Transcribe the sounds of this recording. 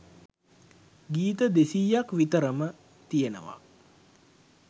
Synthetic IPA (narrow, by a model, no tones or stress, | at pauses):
ɡiːt̪əd̪esijːakʋit̪əɾəmə | t̪ijənə̰ʋa̰